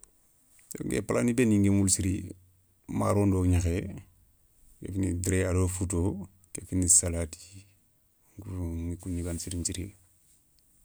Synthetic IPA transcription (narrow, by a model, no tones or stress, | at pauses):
so̰ŋɡḛpalanibeniŋɡemulsiɾi | maɾondoɲaxe | ɡḛfinḭdiɾeadofut̬o | kekinisalati̥ | ŋɡuŋikuɲiɡansiɾint͡ʃiɾi